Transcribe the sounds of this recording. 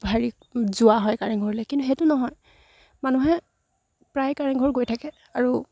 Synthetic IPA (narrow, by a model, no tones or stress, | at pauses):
bʱaɹi | zʊaɦɔjkaɹɛŋɡʱɔɹilɛkintuɦetunɔɦɔj | manuɦɛ | pɹajkaɹɛnɡʱɔɹɡojtʰakɛ | aɹu